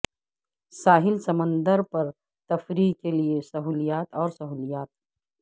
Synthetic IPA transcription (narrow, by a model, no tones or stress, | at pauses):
saːɦɪlsɐmə̃nd̪əɾpɐɾ | t̪ɐfɾiːkeliesɐɦuːlijaːt̪ɔːɾsɐɦuːlijaːt̪̚